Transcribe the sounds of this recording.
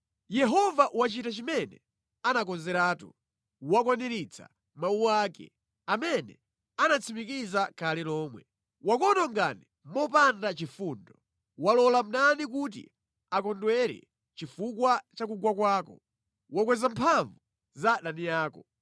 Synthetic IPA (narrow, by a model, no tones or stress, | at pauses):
jɛɦɔvaʔwat͡ʃitat͡ʃimɛnɛ̰ | anakɔnzɛɾaːtu | wakwaniɾit͡sʰa̰ | mauwaːkɛ̰ | amɛnɛ | anat͡sʰimikizakʰalilɔːmwɛ | wakɔnɔŋɡani | mɔpandat͡ʃifuːndɔ | walɔlam̩nanikut̬ḭ | akɔndwɛɾɛ̰ | t͡ʃifukwat͡ʃak̬uɡwakwaːkɔ | wakwɛzampʰaɱvu | zaɗanijaːkɔ